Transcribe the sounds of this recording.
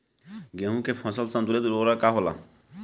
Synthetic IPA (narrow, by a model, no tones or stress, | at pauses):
ɡẽɦũkepʰɔ̃səlsãnd̪uled̪uɾoɾakaɦola̰